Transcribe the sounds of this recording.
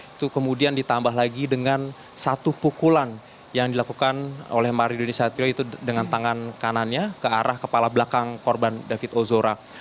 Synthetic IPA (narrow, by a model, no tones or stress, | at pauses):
it̪ukəmudiandit̪ambaɦlaɡidəŋan | sat̪upukulan | jaŋdilakukano̰lɛhmaɾidonesat̪ioit̪udəŋant̪aŋankananɲakəaɾʔahkəpalablakaŋkorbandafɪt̪ozoɾa